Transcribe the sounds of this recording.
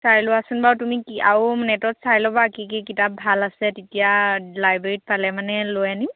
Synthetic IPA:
sajlɔasʊnbatumikia̰unɛtɔtsajlɔbɔkik̬ikitap̚bʱalasɛtetijalajbeɹit̚palɛmanɛlojani

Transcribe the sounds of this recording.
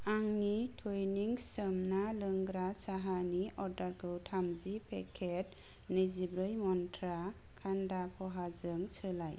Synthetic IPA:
aŋːitʰojniŋsəmnalɯŋɡɾasaɦaniɔɾdaɾɡɯwtʰamzipʰḛkʰet̚ | nizibɾɯjmɔntʰɾa | kʰandapʰɔɦazɯŋsʰɯlaj

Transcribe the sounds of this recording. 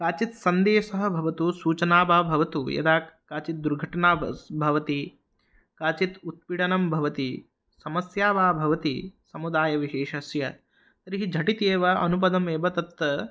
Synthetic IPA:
kaːt͡ʃit̪sɐnd̪eːʃɐɦɐ̆bʱɐʋɐt̪usuːt͡ʃɐnaːʋaːbʱɐʋɐt̪ujɐ̰d̪aːkaːt͡ʃit̪̚d̪uɾɡʱɐʈɐnaːbʱɐʋɐt̪i | kaːt͡ʃit̪ut̪̚piɽɐnɐmbʱɐʋɐt̪i | sɐmɐsjaːʋaːbʱɐʋɐt̪isɐmud̪aːjɐʋiʃeːʃɐsjɐ | t̪ɐɾiɦid͡ʒʱɐʈit̪eːʋɐʔɐ̰nupɐd̪ɐmeːʋɐt̪ɐt̪ːɐ

